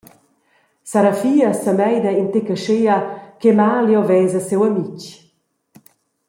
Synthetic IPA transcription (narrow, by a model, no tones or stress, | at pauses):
saɾafiːɐsamɛjd̪ɐint̪ekəʃeakemaːljɔwvɛzasewɐmic